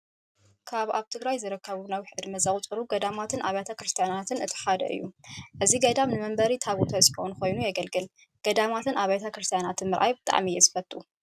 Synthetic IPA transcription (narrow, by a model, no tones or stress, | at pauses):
kʰaβaβt̪ʰɨɡɾajzɨɾɐkːɐβunawħɨd̪mɐzɐχʼt͡sʼɨɾuɡɐd̪amat̪ʰɨnʔaβajt̪ʰakɾɨst̪ʰijanat̪ʰɨnɨt̪ʰɨ̥ħad̪ɐ̰ʔɨ̰jːuʔɨziɡɐd̪amnɨmɐmbɐɾit̪ʰaβut̪ʰɐsʼikonko̞jnujɛɡɐlɡɨl | ɡ̥ɐd̪amat̪ʰɨnʔaβajt̪ʰɐkɾɨst̪ʰijanat̪ʰɨnmɨɾʔa̰jbɨt̪ʼa̰ʕmijɛzɨfɐt̪ʼu